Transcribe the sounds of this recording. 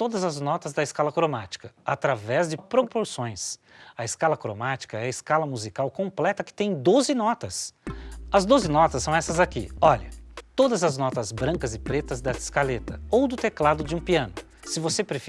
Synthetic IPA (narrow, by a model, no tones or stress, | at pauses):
t̪od̪ɐzɐznɔt̪ɐzd̪ɐɪskalɐkɾomat͡ʃi̥kɐat̪ɾavɛzd͡ʒɪpɾopoɾsõj̃sɐɪskalɐkɾo̰mat͡ʃi̥kɐɛɐɪskalɐmuzikawkõplɛt̪ɐkɪ̥t̪ẽj̃d̪ozɪnɔt̪ɐs | ɐzd̪ozɪnɔt̪ɐsːɐ̃w̃ɛsɐzakḭɔʎɐt̪od̪ɐzɐznɔt̪ɐzbɾɐ̃kɐzɪpɾet̪ɐzd̪ɛsɪ̥skalet̪ɐowd̪ʊt̪eklad̪ʊd͡ʒɪũpiɐ̃nʊ | sɪvosepɾef